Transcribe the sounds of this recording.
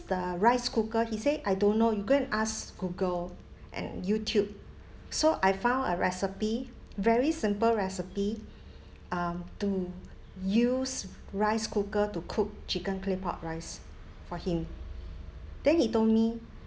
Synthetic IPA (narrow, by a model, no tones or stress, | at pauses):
dəɹaɪskukəhiseʔajdõnːojuɡõə̃nʔasɡ̥uɡəl | ʔɛ̰̃njutʰjub̚ | soʔajfãʊ̃nəɹɛsipi | vɛɹisĩmpəlɹɛsipi | ʔʌ̃mtu | jus | ɹaɪskukətukʰuk̚t͡ʃikə̃nklipaʊt̚ɹaɪs | fɔhĩm | d̥ɛ̃nhitoldmi